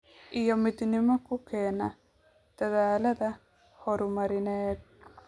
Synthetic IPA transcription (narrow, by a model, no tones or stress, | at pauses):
ʔijɔmɪd̪nɪmɔkʰʊkʰɛːnɐ | d̪̥ɐðaːlɐðɐ | hɔɾʊmɐɾɪnɛːd̪̚